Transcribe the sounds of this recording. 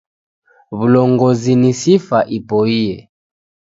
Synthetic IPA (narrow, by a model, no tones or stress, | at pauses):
βulɔŋɡɔzinisifaʔipɔiɛ